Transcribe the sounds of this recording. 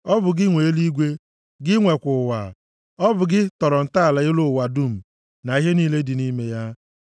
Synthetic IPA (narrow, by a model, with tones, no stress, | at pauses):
ɔ˦bʊ˨ɡɪ˦ŋʷe˨˦li˦ɡʷe˦ | ɡɪ˦ŋʷe˨kʷʊ˨wa̰˨ | ɔ˦bʊ˨ɡɪ˦tɔ˨ɾɔ˨n̩˨ta˦a˨la˨ɪ˦lo˨wa˨du˦˨m̩˨ | na˨i˦ɦe˦niː˦le˦dɪ˨ni˦me˦ja˦